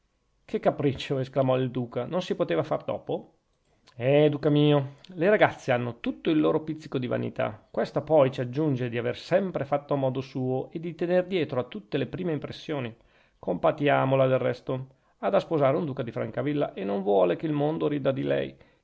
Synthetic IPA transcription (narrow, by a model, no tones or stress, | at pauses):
kʰekːapɾit͡ʃːoesklamɔild̪uːkanonsipot̪eːvafard̪ɔ̰ːpo | ɛd̪uːkamiːoleɾaɡat̪sːeanːot̪ut̪ːoilːoːɾopit̪sːikod̪iva̰nḭt̪a̰kwest̪apɔjt͡ʃiad͡ʒːund͡ʒed̪iaversɛmpɾefat̪ːoamɔːd̪osuːoʔed̪ːit̪enerd̪jɛːt̪ɾoat̪ːut̪ːelepɾiːmeimpɾesːjoːni | kompat̪jaːmolad̪elrɛst̪o | ad̪aspozaːɾeund̪uːkad̪ifɾa̰ŋkavilːa̰ʔenːoɱvwɔːlekeilmond̪oɾiːd̪ad̪ilɛ̰j